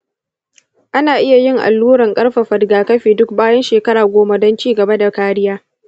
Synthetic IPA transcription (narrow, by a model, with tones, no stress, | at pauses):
ʔa˦naː˨ʔɪ˦ja˨jɪ˦ŋʔa̰˨lːuː˦ɾɐ˨ŋkʼɐ˦ɽɸa˨ɸɐ˨dɡaː˨kɐ˦ɸeː˨dʊ˦k̚baː˦jɐ˦nʃeː˨kɐ˦ɾaː˨ɡʷoː˦ma˦dɔ˦nt͡ʃiː˦ɡɐ˨ba˦da˨kaː˦ɽɪ˦jaː˦